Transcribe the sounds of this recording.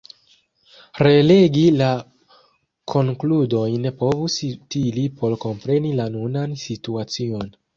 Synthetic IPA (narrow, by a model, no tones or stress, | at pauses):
ɾe̞le̞ɡila | kʰo̞ŋkludo̞jne̞po̞vusitilipʰo̞lko̞mpɾe̞nilanunansituat͡sio̞n